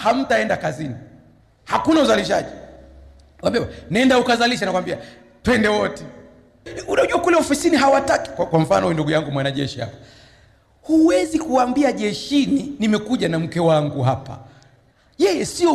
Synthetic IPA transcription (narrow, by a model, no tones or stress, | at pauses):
ham̩taɛndakazini | hakunauzaliʃa̰ʄi | wambiawanaɛndaukazaliʃanakuwambia | twɛndɛwɔtɛ | unauʄuakulɛɔfisiniɦawataki̥kakwaɱ̩fanɔhuinduɡujaŋɡumwanaʄɛ̰ʃiha̰kɔ̥ | huwɛzikuambiaʄɛʃininimɛkuʄanam̩kɛwaŋɡuɦapa̰ | jɛjɛsiɔ